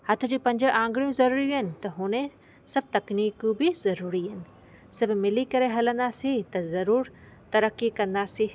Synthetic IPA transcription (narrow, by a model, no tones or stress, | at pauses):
hɐt̪ʰʊ̆d͡ʑuːpɐ̃ɲd͡ʑəʔãːŋɡɽijũzɐɾuːɾijuɦɪnɪ̆t̪ɐɦʊne | sɐb̚ʱt̪ɐkniːkũbɪzɐɾuːɾiɦɪnɪ̆ | sɐbʱmɪlikɐɾeɦɐlə̃nd̪aːsit̪ɐzɐɾuːɾ | t̪ɐɾəkːikɐ̃nd̪asi